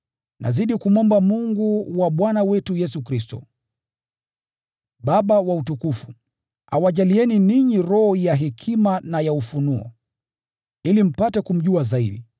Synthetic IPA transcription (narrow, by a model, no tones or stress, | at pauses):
nʔa̰ziɗikumɔmbamuŋɡuwaɓwanawɛtujɛsukɾistɔ̰ | ɓaɓawautukufu | a̰waʄaliɛniniɲiɾɔhɔjaɦɛkʰimanajaufunuɔ̰ | ilim̩patɛkum̩ʄuazaiɗi